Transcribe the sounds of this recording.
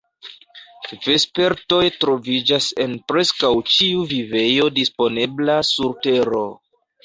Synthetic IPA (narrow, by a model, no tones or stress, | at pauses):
ve̞spe̞ɾto̞jtɾo̞vid͡ʒase̞npɾe̞skawt͡ʃiuvive̞jo̞dispo̞ne̞blasuɾte̞ɾo̞